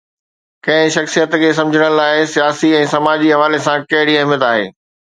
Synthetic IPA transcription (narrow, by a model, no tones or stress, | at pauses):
kɐ̃ɦɪ̃ʃɐxsijət̪kʰeːs̬ɐ̃md͡ʑʱəɽ̃əlaːɪsijaːsiɛ̃ːsɐmaːd͡ʑiɦɐʋaːlesãkɐɦɪɽiɐɦmjət̪aːɦḛː